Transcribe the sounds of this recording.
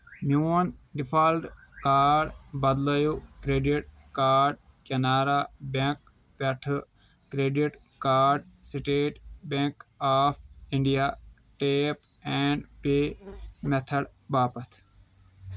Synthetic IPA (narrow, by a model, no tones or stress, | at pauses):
muɐnɖifʰaːlɖ | kaːɖbɐd̪lɐjukɾeːɖiʈ̚ | kaːɾɖ | kɐnaːɾaːbẽk̚ | pɐʈʰ | kɾeːɖiʈ | kaːɾɖsiʈeːʈbẽŋkaːfĩɳɖijaː | ʈeːp | ɛːɳɖpeːmet̪ʰɐɽbaːpɐt̪ʰ